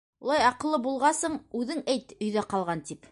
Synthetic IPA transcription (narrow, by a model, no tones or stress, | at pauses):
ulˠɑjɑqɤ̆lˠːɤbulˠʁɑsɤɴʉðɘŋæjt̪ɵ̆jðæqɑlˠʁɑnt̪ip